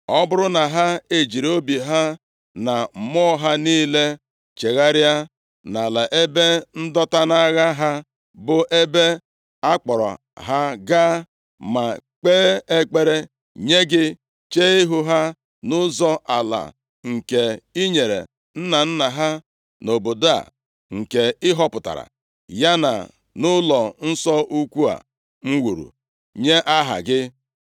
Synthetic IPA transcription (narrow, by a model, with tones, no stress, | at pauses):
ɔ˦bʊ˦ɾʊ˦na˨ɦa˦e˨d͡ʒi˨ɾo˦bi˨ɦa˦ | na˨m̩˨mɔ˦ɦa˦niː˦le˦ | t͡ʃe˨ɣa˦ɾja˦ | na˨la˨ʔe˦be˦n̩˦dɔ˦ta˦na˦ɣa˦ɦa˦ | bʊ˨ʔe˦be˦ | a˦k͡pɔ˨ɾɔ̰˨ | ɦa˦ɡa˦ | ma˨k͡peː˦e˦k͡pe˦ɾe˦ | ɲe˦ɡɪ˦ | t͡ʃe˦i˦ɦʊ˦ɦa˦ | nʊ˦zɔ˦ʔa˨la̰˨ | ŋ̩˨ke˨i˦ɲe˨ɾḛ˨ | n̩˦na˨n̩˦na˨ɦa˦ | no˨bo˨da̰˨ | ŋ̩˨ke˨ɪ˦ɦɔ˦pʊ˨ta̰˨ɾa̰˨ | ja˦na̰˨ | nʊ˦lɔ˨n̩˦sɔ˦u˦kʷu˦a̰˨ | ŋ͡m̩˦wu˨ɾṵ˨ | ɲe˦ʔa˦ɦa̰˨ɡɪ˦